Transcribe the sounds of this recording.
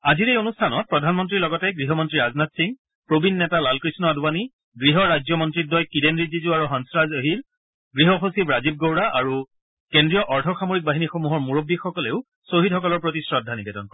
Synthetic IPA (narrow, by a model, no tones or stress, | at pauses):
aziɹejonustʰanɔt̚pɹɔdʱanmɔntɹilɔɡɔtɛɡɹiɦɔmɔntɹiɹaznatsiŋ | pɹobʱinːɛtalalkɹisnɔadbani | ɡɹiɦɔɹazjɔmɔntɹit̚dɔjkidenɹizizuaɹuɦansɹazəɦiɹ | ɡɹiɦɔxosibɹazib̚ɡowɹaʔaɹu | kendɹijɔʔɔɹtʰɔxamoɹik̚baɦinixomuɦɔɹmuɹobːixɔkɔleʊ | soɦidxɔk̬ɔlɔɹpɹotisɹɔdʱːanibɛdɔnkɔɹ